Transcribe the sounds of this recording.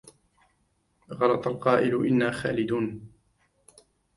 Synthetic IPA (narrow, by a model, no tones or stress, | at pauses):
ɣɑlɑt̪ˤɑlqɑːʔɪlʊʔɪnːaːxa̰ːlɪd̪uːn